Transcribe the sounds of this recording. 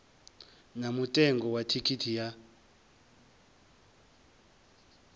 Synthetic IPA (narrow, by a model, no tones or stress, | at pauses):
namutʼɛŋɡʱɔwatʰikʰitʰija